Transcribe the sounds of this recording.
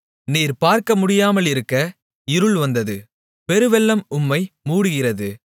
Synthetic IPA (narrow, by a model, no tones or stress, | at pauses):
niːɾpaːɾkɐmʊɽɪjaːmɐlɪɾɯkːɐ | ɪɾɯɭʋɐnd̪ɐðɯ | pɛɾɯʋɛlːɐmʊmːɐɪmuːɽɯɣɪrɐðɯ